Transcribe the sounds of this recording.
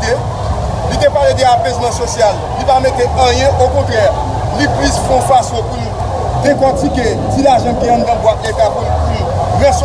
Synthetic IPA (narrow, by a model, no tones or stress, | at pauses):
te | lit̪epaled̪eapezmɐ̃sosjal | lipamet̪eɐ̃jɛ̃ʔokɔ̃t̪ʁɛʁ | liplisfɔ̃fasõpuni | d̪ekɔtike | t͡silaʒʌ̃kiãnd̪ãbwaket̪apunpuniʁɛs